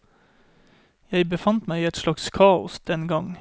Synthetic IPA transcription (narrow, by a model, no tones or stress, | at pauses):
jæɪbəfɑnt̪mæɪiːɛt̪ʃlɑkskʰɑːʊ̰sd̪̥ɛnɡɑŋ